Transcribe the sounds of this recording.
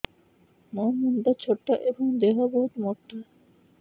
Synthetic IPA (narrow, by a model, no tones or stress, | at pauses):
nɔmɔnd̪at͡ɕʰoʈːaʔeboŋd̪eɦabɔɦut̪mɔʈːa